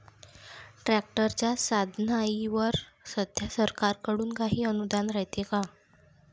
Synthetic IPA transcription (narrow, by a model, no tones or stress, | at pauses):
ʈɾæk̚ʈəɾt͡ɕjasad̪ʱnaiʋəɾsəd̪ʱjasəɾkaɾkəɽuːnkaɦiːənud̪anɾaɦjt̪eka